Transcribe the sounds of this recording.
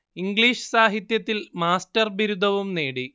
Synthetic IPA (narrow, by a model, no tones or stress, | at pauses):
iŋɡliːʂɨ̥saːɦit̪jɐt̪ːilmaːstɐrbiɾud̪ʱɐʋumneːɽi